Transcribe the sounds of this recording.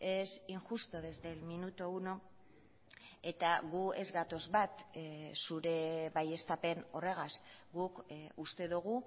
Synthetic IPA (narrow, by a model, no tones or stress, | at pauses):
e̞siŋʝust̪oðe̞zd̪e̞lminut̪ouno̞ | e̞t̪aɣue̞zɡat̪o̞zβat̪suɾe̞βaje̞st̪ape̞no̞re̞ɣ̞asɡukust̪e̞ðuɣ̞u